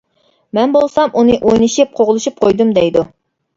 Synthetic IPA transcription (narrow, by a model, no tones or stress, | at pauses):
mɛnbolˠsɑmʔunɨʔojnɨʃip̚qʰoʁlˠɨʃip̚qʰojd̪umd̪ɛjd̪u